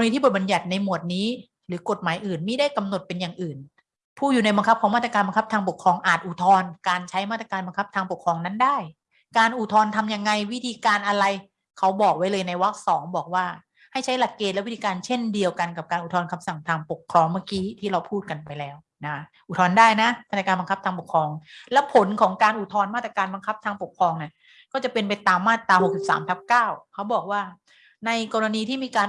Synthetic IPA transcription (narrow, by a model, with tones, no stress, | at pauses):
a˧niː˦˥t̪i˥˩bt̚ba˧nja˨˩t̪̚na˧jmu˨˩ət̪̚niː˦˥ | ɾɯː˩˦ko˨˩t̪̚maː˨˦jʔɯː˨˩nmiː˧˥˦da˥˩jka˧mno˨˩t̪̚pe˧njaː˨˩ŋʔɯː˨˩n | pʰuː˥˩juː˨˩na˧jba˧ŋkʰa˦˥kʰɔː˩˦maː˥˩t̪ɾa˧kːnba˧ŋkʰpt̪ʰaː˧ŋpo˨˩kʰɾɔː˧ŋʔaː˨˩t̪̚ʔu˨˩t̪ʰɔː˧nkaː˧nt͡ɕʰa˦˥jmaː˥˩t̪ɾa˧kaː˧nba˧ŋkʰa˦˥p̚t̪ʰaː˧ŋpo˨˩kʰɾɔː˧ŋna˦˥ndaː˥˩j | kaː˧nʔu˨˩t̪ʰɔː˧nt̪ʰa˧mja˧ŋːa˧jwi˦˥t̪ʰiː˧kaː˧nʔa˧ɾa˧j | kʰa˦˥wbɔː˨˩k̚wa˦˥jlɤː˧jna˧jwa˦˥k̚sɔː˩˦ŋbɔː˨˩k̚waː˥˩ | ha˥˩jt͡ɕʰa˦˥jla˨˩kːeː˧˩t̪lɛ˦˥wi˦˥t̪ʰiː˧kaː˧nt͡ɕʰe˥˩ndi˧əwka˧nka˨˩p̚kaː˧nʔu˨˩t̪ʰɔː˧nkʰa˧msa˨˩ŋt̪ʰaː˧ŋpo˨˩kʰːɾɔː˧ŋma˥˩kiː˦˥t̪ʰiː˥˩ɾa˧wpʰuː˥˩t̪̚ka˧npa˧jlɛː˦˥w | na˦˥ʔu˨˩t̪ʰɔː˧ndaː˥˩jna˦˥a˥˩a˧kaː˧nba˧ŋkʰa˦˥pt̪ʰaː˧p̬o˨˩kʰɾɔː˧ŋlɛ˦˥pʰo˩˦nkʰɔː˩˦ŋkaː˧nʔu˨˩t̪ʰɔː˧nmaː˥˩t̪ɾa˧kaː˧nba˧ŋkʰa˦˥p̚t̪ʰaː˧ŋpo˨˩kʰɾɔː˧ŋni˥˩ɐ | kɔː˥˩t͡ɕa˨˩pe˧npa˧jt̪aː˧mːaː˥˩t̪ːaː˧ho˨˩k̚si˨˩p̚sa̰ː˩˦msʰa˦˥p̚kaː˥˩wkʰa˦˥wbɔː˨˩k̚waː˥˩ | na˧jkɔː˧ɾa˧niː˧t̪ʰiː˥˩miː˧kaː˧n